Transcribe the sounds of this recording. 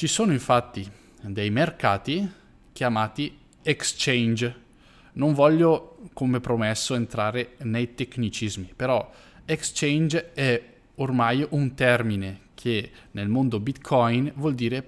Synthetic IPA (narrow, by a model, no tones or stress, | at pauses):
t͡ʃisoːnoiɱfat̪ːi | d̪ejmerkaːt̪i | kjamaːt̪i | ekst͡ʃɛnd͡ʒ | noɱvɔʎːokomepɾomɛsːoent̪ɾaːɾenejt̪ekːnit͡ʃizmipeɾɔ | ekst͡ʃɛnd͡ʒɛ | ormajunt̪ɛrminekʰenelmond̪obit̪kʰɔjnvwɔld̪iːɾe